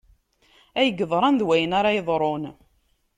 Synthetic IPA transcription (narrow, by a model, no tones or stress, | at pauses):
æjəɡːəðˤɾˤɑnðwæjənaɾˤɑjəðˤɾˤon